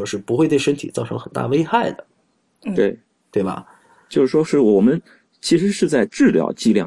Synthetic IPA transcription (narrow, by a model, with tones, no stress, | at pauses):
ɔ˥ʂɻ̩˥˩pu˧˥xwe˥˧we˥˩ʂə˥nt̪ʰi˨˩t͡sɑ˥˩ʊɤ˧˥ŋxə˨˩nt̪a̰˥˩we˥ɪxa˥˩ɪd̪ə˩ | t̪we˥˩ɪ | t̪we˥˩ɪbɐ̰˩ | t͡ɕjo˥˧ʂɻ̩˥˩ʂwɔ˥ʂɻ̩˥˩wɔ˨˩mə˦n | t͡ɕʰi˧˥ʂɻ̩˧˥ʂɻ̩˥˧t͡sa˥˧ɪʈ͡ʂɻ̩˥˩ljɑ̰˨˩ʊt͡ɕi˥˧ljɑ̰˥˩